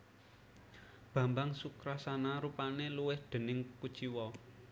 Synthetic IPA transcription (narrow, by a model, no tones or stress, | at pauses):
b̥ä̤mbaŋsukɾasanaɾupaneluwɪhɖ̪̥ə̤nɪŋku̥t͡ʃiwɔ